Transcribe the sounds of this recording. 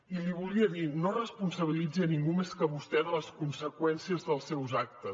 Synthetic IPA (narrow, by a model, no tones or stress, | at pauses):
iliβuliəðinorəspunsəβ̞ilid͡ziəniŋɡumeskəβust̪ɛðələskunsəkwɛnsiəzðəlˠsɛwzak̚t̪əs